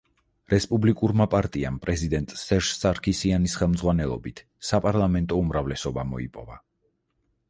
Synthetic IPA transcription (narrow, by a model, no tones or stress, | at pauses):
ɾɛspʼublikʼuɾmapʼaɾt̪ʼia̰mpʼɾɛzid̪ɛnt̪ʼsɛʃsʼaɾkʰisianisχɛlˠmd̪zʁwanɛlˠɔ̰bit̪ʰ | sapʼaɾlˠamɛnt̪ʼɔumɾavlɛsɔbamɔ̰ḭpʼɔva